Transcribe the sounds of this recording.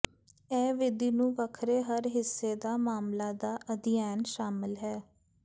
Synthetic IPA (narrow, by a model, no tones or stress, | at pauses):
ɛːʋɪd̪iːnũːʋəkʰɾeːɦəɾɦɪsːeːd̪aːmaːmlaːd̪aːʔəd̪ɪjaːnʃaːmɪlɦɛː